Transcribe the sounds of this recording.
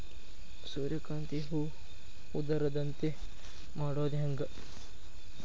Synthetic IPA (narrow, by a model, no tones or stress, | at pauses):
suːɾjɐkaːnt̪iɦu | ud̪ɐɾɐd̪ɐnt̪e | maːɽoːd̪iɦɐŋɡɐ